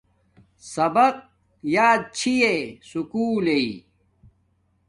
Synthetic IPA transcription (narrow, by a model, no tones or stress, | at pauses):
sɐbɐq̚ | jaːd̪̚t͡ɕʰijesukuːlei